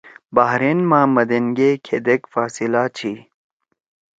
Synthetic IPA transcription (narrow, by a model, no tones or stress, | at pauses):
baɦɾenmãːmɐd̪eŋɡeːkʰed̪ekfaːsilaːt͡ɕʰiː